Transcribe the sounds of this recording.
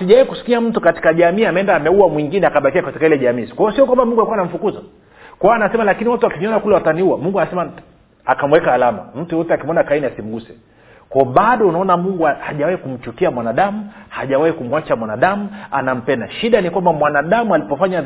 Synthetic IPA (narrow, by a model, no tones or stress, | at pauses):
siʄawaikusi̥kiam̩tukati̥kaʄamiːamɛɛndaːmɛuwamwiŋɡinɛakaɓakiakati̥kailɛʄamiːkwaɔsiɔkwambamuŋɡuaikuwanam̩fukuzɔ | kawaanasɛmalakiniwatuakiɲɔnakulɛwataniuwamuŋɡuanasɛma | akam̩wɛkaːlama̰m̩tujɔtɛakimɔnakainiasim̩ɡusɛ | kwaɔɓaɗɔunaɔnamuŋɡuahaʄawahikum̩t͡ʃukiamwanaɗamuha̰ʄawahikumuwat͡ʃamwanaɗamua̰nam̩pɛnda̰ʃiɗanikwambamwanaɗamualipɔfaɲa